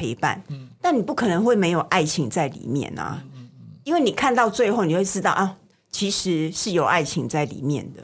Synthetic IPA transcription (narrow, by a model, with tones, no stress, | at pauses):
e˧˥ɪpa̰˨˩nt̪a˥˩nni˨˩pu˥˩kʰɤ˨˩nɤ˧˦ŋxwe˥˩ɪme˧˥ɪjo˨˩ʊʔa˥˩ɪt͡ɕʰi˧˥ŋt͡sa˥˩ɪlḭ˨˩mjɛ̰˥˩nɐ̰˨˩i˥nwe˥˩ni˨˩kʰa˥˧nt̪ɑ˥˧ʊt͡swe˥˧ɪxo˥˩ni˨˩we˥˩ɪʈ͡ʂɻ̩˥˦˥ɑ˥˧ʊʔa˥˩ | t͡ɕʰi˧˥ʂɻ̩˧˥ʂɻ̩˥˩jo˨˩ʊʔa̰˥˩ɪt͡ɕʰi˧˥ŋt͡sa˥˩ɪlḭ˨˩mjɛ̰˥˩nd̪ə̰˩